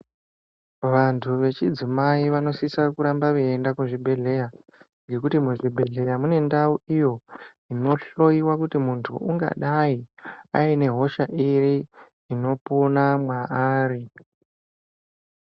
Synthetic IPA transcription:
ʋantʰuʋe̞t͡ʃid͡zimaiʋano̞sisakuɾambaʋeendakuʐibʱe̞ɮe̞ja | ŋɡe̞kutimuʐibʱe̞ɮe̞jamune̞ndauijo̞ | ino̞ɬo̞iwakutimuntʰṵʔuŋɡa̰ɗaia̰ine̞ɦo̞ʃaʔiɾi | ino̞ponamwaʔaːri

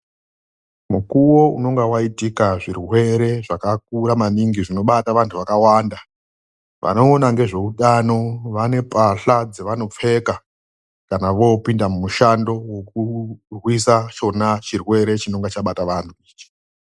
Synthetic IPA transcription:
mukuwo̞uno̞ŋɡawaitikaʐirwe̞ɾe̞ʐakak̚uɾamaniŋɡiʐino̞ɓataʋantʰuʋakawaːnda | ʋʔa̰no̞ːnaŋɡe̞ʐe̞uɗano̞ʋane̞paɬad͡zeʋano̞p͡fe̞ka | kanaʋo̞pindamumuʃando̞wo̞kurwisat͡ʃo̞nat͡ʃirwe̞ɾe̞t͡ʃino̞ŋɡat͡ʃaɓataʋantʰuiːt͡ʃi̥

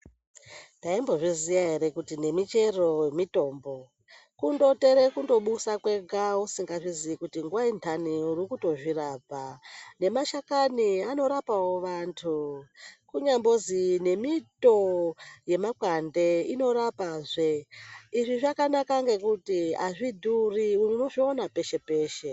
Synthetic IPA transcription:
ntaimbo̞ʐizijaɦe̞ɾe̞kutine̞mit͡ʃe̞ro̞jemito̞ːmbo̞ | kundo̞te̞ɾekundo̞ɓusakwe̞ɡawusiŋɡaʐiziikutiŋɡuwaintʰaniurikuto̞ʐirapane̞maʃakaniano̞ɾapawo̞ʋantʰu | kuɲambo̞zine̞mito̞je̞makwande̞ino̞ɾapaʐeiʐiʐakanakaŋɡe̞kutia̰ʐidʱuriuno̞ʐionape̞ʃe̞pe̞ːʃe̞

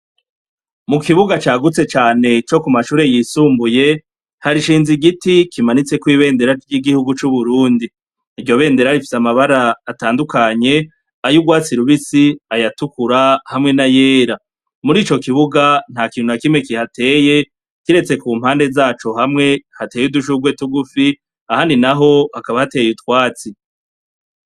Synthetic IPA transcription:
mukiβuɡat͡ʃaːɡut͡se̞t͡ʃaːne̞t͡ʃo̞kumaʃuːɾe̞jiːsuːmbuje̞ | haɾiʃiːnziɡitikʰimanit͡se̞kwiːβe̞ːnde̞ɾajiɡihuɡut͡ʃuβuɾuːndiː | ɾɟo̞βe̞ːnde̞ɾaɾifi̥samaβaɾaːtaːndukaɲe̞ | ajuɡwaːt͡siɾuβisiajatukuɾahamŋe̞naje̞ːɾa | muɾiːt͡ʃo̞kiβuɡan̥hakiːn̥unakimŋekihate̞ːje̞ | kiɾe̞t͡se̞kuːm̥haːnde̞zaːt͡ʃo̞hamŋe̞hate̞ːjuduʃ̬uɡwe̞tuɡufi | ahaninaɦo̞hakaβahate̞ːjutkwaːt͡si

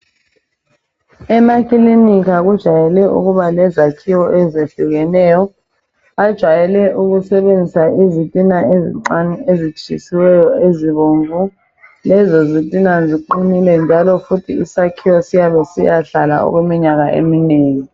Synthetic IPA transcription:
ɛmakʰʼilinik̬ak̬ud̥ʒ̥ʱajɛlɛʔṵk̬uɓalɛzakʰiwɔʔɛzeɬuk̬ɛnɛːjɔ | ad̥ʒ̥ʱwajɛlɛʔuk̬usɛɓend͡zʱisaʔizitʼinaezezit͡ʃʰḭsiwɛjɔeziɓoːɱvʱu | lɛzɔzitʼinaziǃinilɛnd͡ʒʱalɔfutʰiisakʰiwɔsijaɓɛsijaɬala̰ɔ̰k̬wemiɲak̬aʔḛmineːŋi

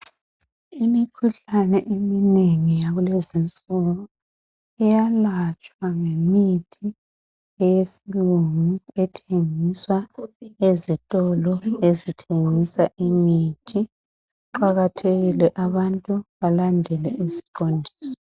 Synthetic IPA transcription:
imikʰuɬanɛʔemineŋijaɣulezint͡sʼɔlɔ | ɛjalat͡ʃʼwaŋemitʰi | ɛjesiluŋuɛtʰeŋiswaezitʼɔlɔezitʰeŋisaʔimitʰi | ǃaɣatʰeɣilɛʔaβantʼuβalandʱɛlɛʔizi̥ǃondʱiːsɔ̥

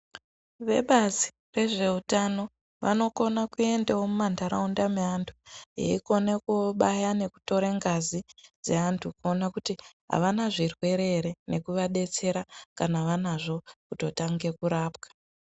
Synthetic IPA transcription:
ʋe̞̰ɓazi̥ | re̞ʐe̞utano̞ | ʋa̰no̞ko̞nakue̞ndewomumandaɾaundameantʰujḛiko̞nekuɓajane̞ku̥to̞ɾeŋɡazid͡ze̞antʰukuonakutiɦa̰ʋanaʐirwe̞ɾe̞ɾe̞ne̞kuʋaɗe̞t͡se̞ɾakanaʋanaʐo̞kuto̞taŋɡe̞kuɾaːpkḁ

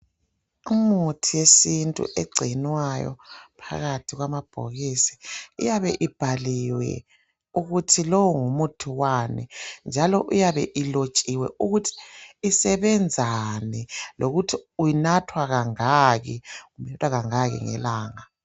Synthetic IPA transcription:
imutʰijesintʼṵʔeɡ͡ǀʱinwajɔ̰pʰa̰ɣatʰiɣwamab̥ʱo̰ɣisi̥ṵjaβɛʔib̥ʱaliwɛ̰ | uɣutʰilɔwuŋumutʰuwanḭnd͡ʒʱalɔʔujaβɛ̰ʔilot͡ʃʼiwɛ̰ʔuɣutʰi̥ːsɛβɛnd͡zʱanɛlʔoɣutʰiujinatʰwaɣaŋaɣiɣumɛtʼwaɣaŋaɣḭŋɛ̰laːŋa

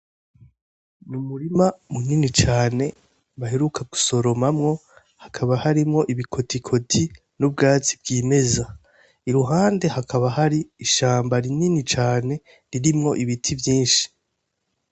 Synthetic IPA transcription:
numuɾimamuninit͡ʃaːne̞ | βaheɾukʰaɡ̥u̥so̞ɾo̞mamŋo̞ | hakʰaβahaɾimŋo̞ʔiβikʰo̞tikʰo̞tʰi | nub̚ɡaːt͡si̥b̚ɡiːme̞za | iɾuɦaːnde̞hakaβahaɾiːʃaːmbaɾininit͡ʃaːne̞ | ɾiɾimŋo̞ʔiβitʰivjiːnʃi̥

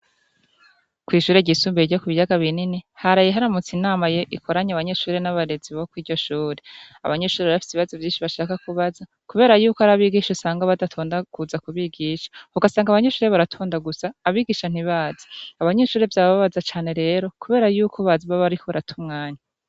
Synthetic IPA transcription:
kwiːʃuːɾe̞ɟiːsuːmbeiɾɟokuβijaɡaβininihaɾajeɦaɾamut͡sinaːmajeʔikʰo̞ɾaɲaβaɲe̞ʃuːɾe̞naβaɾe̞ziβokwiːɾɟo̞ʃuːɾe̞a̰βaɲe̞ʃuːɾeβaβafi̥seβiβazovjiːnʃiβaʃaːkakuβaza | kuβe̞ːɾajuːkoaɾaβiɡiʃosaːŋɡaβadatʰo̞ːndakuzakuβiɡiːʃḁhuɡasaːŋɡaβaɲe̞ʃuːɾe̞βaɾatʰuːndaɡusaːβiːɡiʃan̥iβaːz̥ḁːβaɲe̞ʃuːɾe̞vjaːβaβazat͡ʃaːne̞ɾe̞ːɾo̞kuβe̞ːɾajuːkʰoβaːziβaβaɾikʰoβaɾatʰumŋaːɲa

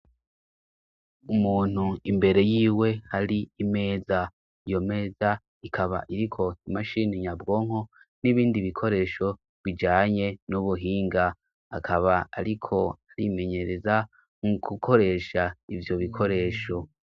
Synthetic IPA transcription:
umuːn̥huimbe̞ɾe̞jiːwe̞haɾiime̞ːza | ijo̞me̞ːza | ikʰaβa̰ʔiɾikʰo̞imaʃiniɲabɡo̞ːŋ̥o̞ | niβiːndiβikʰo̞ɾe̞ːʃo̞ | βid͡ʒaːɲe̞nuβuɦiːŋɡa | akʰaβaa̰ɾikʰo̞aɾḭme̞ɲe̞ɾe̞za | ŋuɡukʰo̞ɾe̞ʃaivjo̞βikʰo̞ɾe̞ːʃo̞

